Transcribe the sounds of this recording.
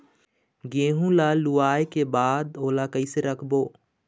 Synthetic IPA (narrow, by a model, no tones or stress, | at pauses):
ɡeːɦũlaluaːekebaːd̪oːlakəɪseɾəkʰboː